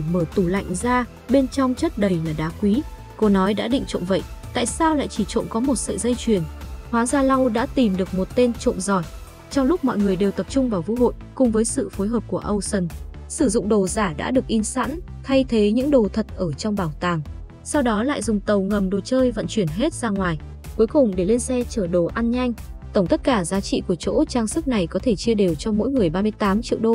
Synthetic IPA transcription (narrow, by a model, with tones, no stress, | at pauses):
məː˧˩t̪u˧˩la̰˧˨jŋ̟zaː˧ | ɓe˧nt͡ɕɔ˧wŋ͡mt͡ɕə˦˥t̚ɗə˨˩jlaː˨˩ɗaː˨˦kwi˨˦ | ko˨˧˦nɔ˨˦jɗa̰ː˧˥ɗḭ̈˧˨ŋ̟t͡ɕo̰˧˨nvə̰˧˨jt̪a̰ː˧˨jsaː˧wla̰ː˧˨jt͡ɕi˧˩t͡ɕo̰˧˨nkɔ˨˦mo˨˩t̚sɨ̰ː˧˨zə˧jt͡ɕwi˨˩ənhwaː˨˦zaː˧la˧wɗa̰ː˧˥t̪i˨˩mɗɨ˨˩ək̚mo˨˩t̚t̪e˧nt͡ɕo̰˧˨nzɔ˨˩j̚ | t͡ɕɔ˧wŋ͡mlʊ˦˥k͡p̚mɔ̰˧˨jŋɨ˨˩əjɗe˨˩wt̪ə˨˩p̚t͡ɕʊ˧ŋ͡mvaː˨˩wvṵ˧˥ho̰˧˨jkʊ˨˩ŋ͡mvəː˨˦jsɨ̰˧˨fo˨˦jɦəː˨˩p̚ku˧˩əʔə˧wsə˧˩nsɨ˧˩zʊ̰˧˨ŋ͡mɗo˨˩zaː˧˩ɗa̰ː˧˥ɗɨ˨˩ək̚ʔi˧nsa̰ː˧˥n | t̪ʰa˧jt̪ʰe˨˦ɲɨ̰˧˥ŋɗo˨˩t̪ʰə˨˩t̚ʔəː˧˩t͡ɕɔ˧wŋ͡mɓaː˨˩wt̪aː˨˩ŋ | sa˧wɗɔ˨˦la̰ː˧˨jzʊ˨˩ŋ͡mt̪ə˨˩wŋə˨˩mɗo˨˩t͡ɕəː˧jvə̰˧˨nt͡ɕwi˧˩ənɦe˦˥t̚zaː˧ŋwaː˨˩j | ku˨˦jkʊ˨˩ŋ͡mɗe˧˩le˧nsɛ˧t͡ɕəː˧˩ɗo˨˩ʔa˧nɲa˧jŋ̟t̪ə˧˩ŋ͡mt̪ə˦˥t̚kaː˧˩zaː˨˦t͡ɕḭ˧˨ku˧˩ət͡ɕo̰˧˥t͡ɕaː˧ŋsɨ˦˥k̚na˨˩jkɔ˨˦t̪ʰe˧˩t͡ɕi˧əɗe˨˩wt͡ɕɔ˧mo̰˧˥jŋɨ˨˩əjɓaː˧mɨ˧əjt̪aː˨˦mt͡ɕḭ˧˨əwɗo˧